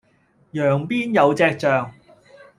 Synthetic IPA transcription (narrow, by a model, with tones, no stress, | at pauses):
jœː˨˩ŋpiː˥njɐ˨˧wt͡sɛː˧k̚t͡ʃœː˨ŋ